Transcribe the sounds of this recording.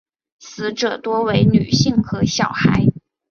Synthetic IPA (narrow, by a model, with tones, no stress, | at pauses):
sɹ̩˧˥ʈ͡ʂɤ˨˩t̪wɔ˥we˧˥ɪny̰˨˩ɕi˥˩ŋxɤ˧˥ɕjɑ˨˩ʊxa˧˥ɪ